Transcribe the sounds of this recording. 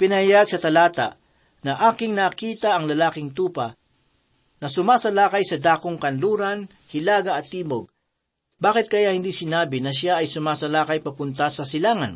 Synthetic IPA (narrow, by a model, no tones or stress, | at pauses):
pɪnɐhjaɡsɐt̪ɐlaːt̪ɐ̰ | nɐʔaːkɪŋnɐːkiːt̪ɐʔɐŋlɐlaːkɪŋt̪uːpɐ | nɐsʊmaːsɐlaːkɐjsɐd̪aːkoŋkɐnluːɾɐn | hɪlaːɡɐʔɐt̪ːiːmoɡ̚ | baːkɪt̪̚kɐjahɪnd̪iːsɪnaːbɪnɐʃaʔɐjsʊmaːsɐlaːkɐjpɐpʊnt̪ɐsɐsɪlaːŋɐ̰n